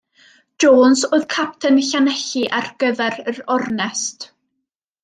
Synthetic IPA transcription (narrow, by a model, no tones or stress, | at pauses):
d̥oːnsoːɨðkʰap̚tʰənɬanɛɬiʔarɡ̥əðɛɾəɾɔrnɛst